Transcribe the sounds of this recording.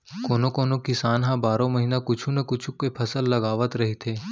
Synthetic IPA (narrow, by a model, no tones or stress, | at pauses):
koːnokoːnokɪsaːnɦãbaːɾõmɐɦiːnakʊt͡ʃʰũnekʊt͡ʃʰukepʰɐsəlːɐɡaːʋət̪ɾɐɦit̪ʰeː